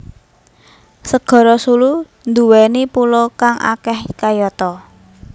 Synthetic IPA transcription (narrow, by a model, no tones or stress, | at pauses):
səɡ̥ɔ̤ɾɔsulu | nd̪uwɛnipulɔkaŋa̰kɛhkajɔt̪ɔ